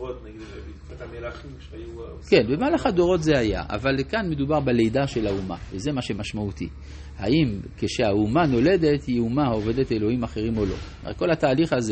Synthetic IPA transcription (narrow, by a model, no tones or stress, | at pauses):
ot̪naɡid̪evi | atamelaimʃju | kenbemaːlaχado̞ʁo̞tzeaja̰a̰valkanme̞d̪ubaʁbele̞jdaʃe̞lauma̰veze̞maʃe̞maʃmaut̪ḭ | haimkeʃeaumano̞le̞de̞tjeumaove̞dete̞lo̞himaχe̞ʁimo̞lo̞̰omḛt̚ko̞lat̪aːliχaze